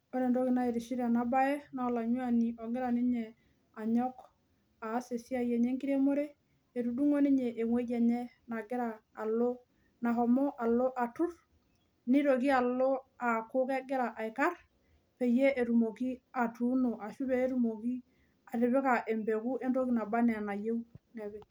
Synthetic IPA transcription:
ɔ˦ɾe˨ndɔ˦ki˨na˦e˨ɾi˨ʃi˦ɾe˨na˦ba˦ɛ˦na˨ɔ˨la˨ɲu˦a˦˨ni˨ɔ˨ɡɪ˦ɾa˨ni˦ɲɛ˨ | a˨ɲɔ˦k | a˨˦se˨si˦a˦jɛ˨ɲe˦ŋki˦ɾe˦mo˦ɾe˦ | e˨ɾu˨du˦ŋo˦ni˦ɲɛ˨ʔe˨ŋwe˦ɟɛ˨ɲɛ˦ | na˨ɡɪ˦ɾaː˨lo˦ | na˨ɦɔ˨mɔ˦ʔa˨lo˦ʔa˨tu˦ɾ | ni˦ɾo˨ki˦a˨lo˦a˨ko˦kɛ˦ɡɪ˦ɾa˨ʔa˨ɪ˨ka˦r | pe˨je˦e˨ɾu˨mo˨ki˦a˨tu˨˦no˨ʔa˨ʃu˦be˦e˦ɾu˦mo˨ki˦ | a˨ɾɪ˨βɪ˦ka˨ʔe˨mbɛ˨ku˦ʔe˦nɾo˦ki˦na˨ba˦nɛ˨a˨na˨je˦u˦nɛ˨bɛ˨

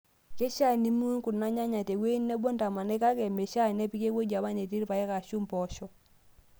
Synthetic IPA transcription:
ke˦ʃa˦˨ni˦mu˦ŋku˨na˦ɲa˦ɲa˨te˨ɡwe˦nːɛ˦bɔ˦nta˨ma˨nɛ˦ka˦kɛ˨me˨ʃa˦˨nɛ˦pi˦ke˦kwe˦d͡ʒa˨ma˦ne˨ti˦ɾpa˨ɛ˦ka˨ʃu˦mpɔ˨˦ʃɔ˦

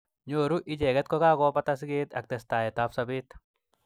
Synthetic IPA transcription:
ɲoː˨ɾuʔɪ˦d͡ʒɛ˨ɡɛ˦t̪̚kɔ˦ka˦kɔ˦pa˦t̪as̬ɡeː˦t̪a̰˨k̚tɛsta˨jɛta˨˦fsabɪ˦t̪

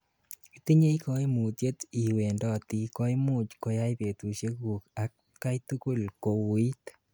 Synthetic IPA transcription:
i˨t̪i˦ɲe˦i˦ko˦i˦mu˨t̪je˦t̪i˨we˨ndɔ˦˨t̪i˨ko˦i˦mu˦˨t͡ʃko˦ja˦i˦pe˨t̪u˨ʃje˦ku˨ka˨ | ka˦i˦t̪u˦ku˦lko˨i˦t

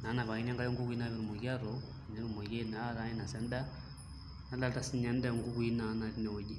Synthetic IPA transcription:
na˨˦na˨βa˨i˦n˦a˦ŋɡa˦jo˦ŋɡu˦ku˦i˦na˦βɛ˦ɾu˨mo˨ɣa˦ɾɔ˨ | nɛ˦ɾu˨mo˨ɣe˦na˦ɾa˦ɛ˦na˨sɛ˦nda˦ | na˦la˦lta˨si˦ɲa˦nda˦ŋɡu˦ku˦i˦na˨˦na˨ti˦nɛ˨wo˨d͡ʒi˦

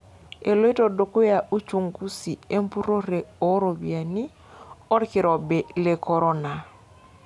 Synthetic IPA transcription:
e˨lo˦i˦tɔ˨do˨ko˦ja˨ʔu˦t͡ʃu˨ŋku˦si˨e˦mpu˦ɾo˦ɾe˨o˨˦ɾo˨bi˨a˨ni˦ | ɔ˦ɾki˨ɾɔ˨bɛ˨le˨kɔ˨ɾo˦na˨

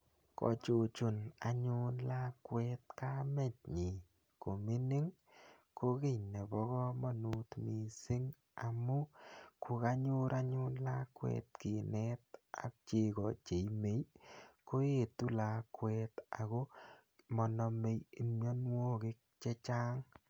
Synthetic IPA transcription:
kɔ̰˨t͡ʃo˨t͡ʃʊ˨na˨ɲʊ˦nla˦kwɛ˦t̚ka˦me˨t̚ɲi˨ | ko˨mi˦nɪ˦ŋ | kʰo˦kɪ˦˨ne˨bɔ˦ɣɔ˦mɔ˦nu˨tmi˨sɪ˦ŋ | a˨mu˦ku˨ka˦ɲʊ˦ɾa˦ɲʊ˦nla˦kwɛ̰˨tki˨nɛ˦t̚a̰˨k̚t͡ʃe˨kɔ˨t͡ʃe˨ime˨jko˦je˦˨tu˦la˨kwɛ˦ta˨ko˦ | mɔ˨nɔ˨me˨˦ji˨mɲɔ˦nwo˦kɪ˦k̚t͡ʃe˦t͡ʃa˦ŋ

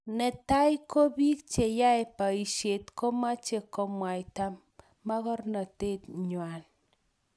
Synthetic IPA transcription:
nɛ˨ta˦jko˦bi˦k̚t͡ʃe˨ja˦e˨pa˨i˨ʃje˨tko˦ma˦t͡ʃe˨kɔ˦mwa˨jta˦mː | a˦kɔ˦rna˨te˦˨tɲwa˨n

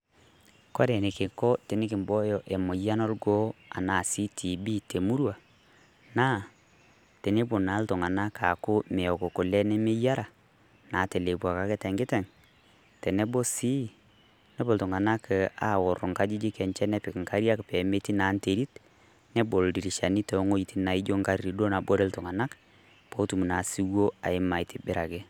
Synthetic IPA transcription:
kɔ˦ɾɛ˨nɪ˨kɪ˨kɔ˦te˨nɪ˦kɪ˨mbɔ˦jɔ˨ʔe˨mʊ˨ja˦no˦lɡo˦a̰˨na˨si˦tʰi˨bi˦te˨mu˦ɾwa˨ | na˦ | te˨ni˦bʊ˨na˨˦ltʊ˨ŋa˨na˦ka˨kʊ˦mɛ˨ɔ˨ko˨kʊ˨lɛ˦nɛ˦mɪ˦ja˦ɾa˨ | na˨te˨le˨pwa˨ka˦kɪ˦tɛ˨ŋɡɪ˦tɛ˨ŋ | tɛ˨nɛ˦bo˦si˦ | nɛ˦bo˨ltʊ˨ŋa˨na˦ka˨ɔ˨ɾʊ˨ŋka˦d͡ʒi˦d͡ʒɪ˦kɛ˨nt͡ʃɛ˦nɛ˦pɪ˨kŋka˦ɾja˦kpɛ˨me˦ti˦na˨˦nte˨ɾi˦t | nɛ˦bo˨ldi˨ɾi˨ʃa˨ni˦tɛ˨˦ŋo˦i˨ti˦na˨i˦d͡ʒo˦ŋka˦ɾɾi˨do˦na˨bo˦ɾe˦ltʊ˨ŋa˨na˦k | po˦tu˨mu˨na˨si˦wo˦a̰˨ɪ˦ma˨ɪ˨tɪ˨bɪ˦ɾa˨ke˦

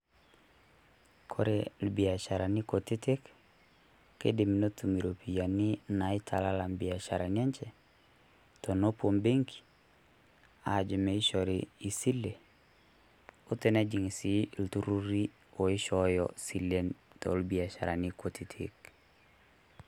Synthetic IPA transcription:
kʰoɾelbia˨t͡ʃaɾanikoti˦ti˦kː | ḛ˦di˨mi˨no˦tu˨mi˨ɾopʰi˨ja˨ni˦na˨i˦tʰa˨la˦la˨mbia˨ʃa˨ɾa˨nia˦ɲt͡ʃe | tono˦pombe˦ŋki̥ | a̰d͡ʒi˨mei˦ʃoɾii˨si˦lːe˨ | u˦te˦na˦d͡ʒi˨ŋi˨siltuɾu˦ɾi˦ | o˨i˦ʃɔjɔ̰silentɔ̰lbi˨aʃa̰˨ɾa̰˨nikotʰitʰḭk

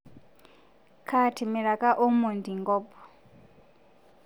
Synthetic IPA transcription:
kʰa˦tʰi˨mi˨ɺa˨kʼa˦ʔɔ˦mo˨ndi˨ŋɡɔː˦pʰɔ̥˨

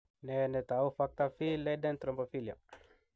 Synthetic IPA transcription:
ne˨ne˨t̪a˨u˦fa˦k̚t̪a˦fi˦le˦de˦nt̪ɾo˨mpo˨fi˦li˨a̰˨

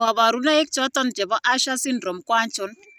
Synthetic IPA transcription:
a˨βa˨ɾu˨˦na˦ɪ˦k̚t͡ʃɔ˦tɔ˦nt͡ʃɛ˨bɔ˦ʔa˦ʃa˦si˦ndɾo˨mkwa˦nt͡ʃʊ˨˦n

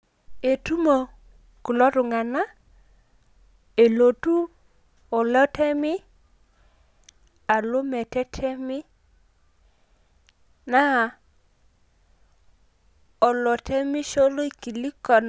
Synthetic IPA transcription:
e˨tu˦mo˨ | ku˨lɔ˦ɾʊ˨ŋa˨na˦ | e˨lo˨tu˦ | ɔ˨lɛ˦tɛ˦mɪ˦ | a˨lo˦mɛ˨tɛ˦tʰɛ˦mɪ˦ | na˦˨ | ɔ˨lɔ˨tʰɛ˦mɪ˦ʃo˦lo˦i˨ki˨li˦kɔ˨n

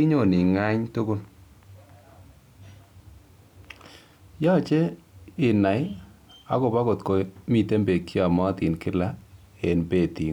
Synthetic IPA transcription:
i˦ɲo˦˨ni˨ŋa˦ɲto˦ko˦n | jɔ˦˨t͡ʃɛ˦ɪ˨na˨ɪ˦a̰˨kʊ˨ba˦ko˨tko˨mi˦˨te˦mbe˨kːja˨mɔ˦t̪ɪ˨nkɪ˦la˦ | e˨nbe˦˨ti˨ŋ

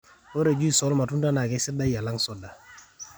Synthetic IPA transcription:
o˦ɾe˨d͡ʒu˦i˦˨sɔ˨˦lma˨tu˦n˦ta˦na˨kɛ˨˦sɪ˦da˦jja˨la˦ŋsɔ˦da˨

